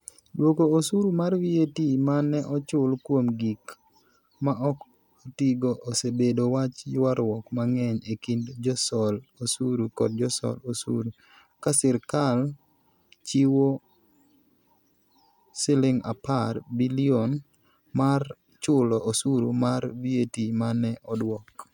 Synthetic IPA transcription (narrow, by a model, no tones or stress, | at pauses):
dwokoosuɾumarwietimanɛʔɔt͡ʃʊlkwomɡik | maʔɔk | otiɡoʔosebedowat͡ʃjwaɾwɔkmaŋɛɲekindd͡ʒɔsɔlosuɾukɔ̰d̚d͡ʒɔsɔ̰losṵɾu | kasɪɾkal | t͡ʃiwo | sɪlɪŋa̰parbilion | mar | t͡ʃʊlɔʔosuɾumaɾvietimanɛʔɔdwɔk